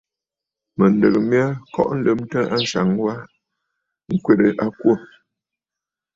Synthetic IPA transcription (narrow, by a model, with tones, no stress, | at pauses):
mə˨n˨də˨ɣə˨mja˦kɔ̰˦ʔn̩˦lə˦m˦tə˦a˦n̩˦ʃa˨ŋwa˦ | ŋ̩˦kwe˦˨ɾə˨ʔa˦kwo˦˨